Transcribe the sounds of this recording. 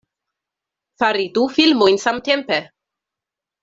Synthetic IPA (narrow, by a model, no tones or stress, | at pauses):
faɾid̪ufilmojnsamt̪empe